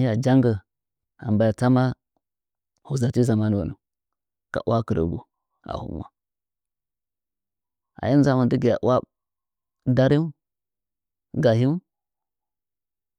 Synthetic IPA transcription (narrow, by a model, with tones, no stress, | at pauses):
i˦ja˨d͡ʒa˦ŋɡə˨ | a̰˨mba˨ja˨ta˦ma˦ | hu˨za˨ti˦za˨ma˦n˨wa˨nu˨ | ka̰˨u˦a˦kə˨ɾə̰˨ɡu˨ | a̰˨hṵ˦m˨a̰˦ | a̰˨ja˦n˦za˦ma˨ndi˦ɡi˨ja˨ʔu˦a˦ | da˦ɾi˦ | ɡa˨hi˦